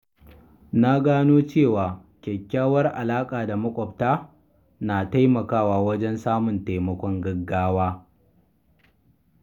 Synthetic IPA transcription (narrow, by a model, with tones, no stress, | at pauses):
na˦ɡaː˦noː˦t͡ʃeː˦˨waː˨ | kʲɛ˨kʲːaː˦wɐ˦rʔa˨laː˦kʼaː˨da˨mɐ˦kʷʼɔ˨p̚taː˦ | naː˨ta˦jmɐ˨kaː˦waː˨wɐ˦d͡ʒɛ˦nsaː˦mʊ˨nta˨jmɐ˦kʷɔ˦ŋɡɐ˦ɡːaː˦waː˦